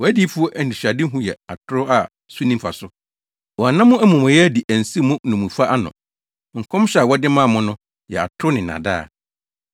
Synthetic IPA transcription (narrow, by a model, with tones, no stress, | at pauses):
wɔ˨æ˦di˦fʊ˦ɔ˦ʔæ˨n̩˨di˨ɕᶣa˨dɪ˦ɦʊ̃˦jɛ̰˨a˨tʰʊ˦ɾʊ˦a˨ | su˦nĩ˦mfa˨sʊ˦ | wɔ˨a˨nã˦mʊ̃˦æ˦mʊ̃˨mʊ̃˨jɛ˦di˨ʔæ˨n̩˨si˦mʊ̃˦nũ˨mũ˨fa˦ʔa˦nʊ̰̃˨ | ŋ̩˨kʰɔ̃˦m˦ɕɛ˦a˨wɔ˦dɪ˦mãː˦˨mʊ̃˦nʊ̃˦ | jɛ̰˨a̰˨tʰʊ˦ɾʊ˦nɪ̃˨nã̰˨da̰ː˦˨